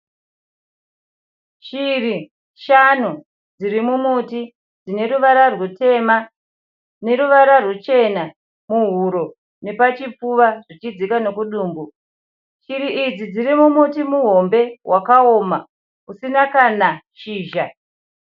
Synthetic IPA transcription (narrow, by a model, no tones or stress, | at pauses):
ʃiri | ʃan̤u | d͡zirimumuti | d͡zine̞ɾuʋaɾarwute̞ma | ne̞ɾuʋaɾarut͡ʃe̞na | muɦuɾo̞ | ne̞pat͡ʃip͡fuʋaʐit͡ʃid͡zikano̞kuɗuːmbu | ʃiɾiʔid͡zid͡ziɾimumutimuɦo̞mbe̞wʔakaoːma | usinakanaʃiːʒa